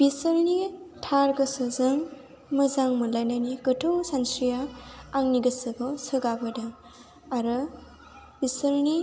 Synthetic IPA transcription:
b̥isəɾni | tʰaɾɡɔsɔzɯŋ | mɯzaŋmɯlajnanikɯtʰɯwsansɾijaːŋniɡɯsɯɡɔsɯɡabadɯŋ | aɾɯ | bisəɾni

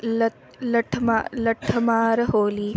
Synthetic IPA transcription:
lɐ | lɐʈʰmalɐʈʰɐmaːɾɐɦoːliː

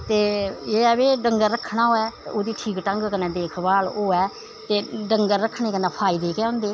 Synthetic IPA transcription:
t̪eːeːɛːbeːɖəŋɡəɾəkʰɽaːoːɛːoːd̪iːʈʰiːkʈəŋɡkənɛ̃ːd̪eːkʰbaːloːɛː | t̪eːɖəŋɡəɾɾəkʰɳ̃eːkənɛːpʰaːiːd̪eːkɛːʊ̃ːnd̪eː

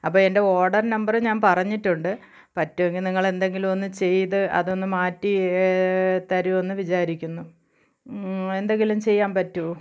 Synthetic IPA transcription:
ɐpːoːe̞nde̞o̞ːɽɐrnɐmbɐrɨɲaːnpɐrɐɲːitːuɳɖɨ | pɐtːuʋeŋɡilniŋːɐɭe̞nd̪e̞ŋɡilumo̞nːɨt͡ɕe̞jt̪ɨʔɐ̰ðo̞nːɨmaːtːi | t̪ɐɾuo̞nːɨʋit͡ɕaːɾikʲːunːu | e̞nd̪e̞ŋɡilumt͡ɕe̞jːaːnpɐtːu

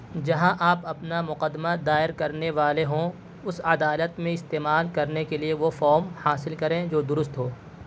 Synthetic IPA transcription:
d͡ʒɐɦãʔaːpɐpnamʊqəd̪ːmad̪aːɪɾkɐɾneʋaːleɦõ | ʊsɐd̪aːlət̪mẽɪst̪eːmaːlkɐɾnekelieʋofɔːmhaːsɪlkɐɾẽd͡ʒoːd̪ʊɾʊst̪ɦoː

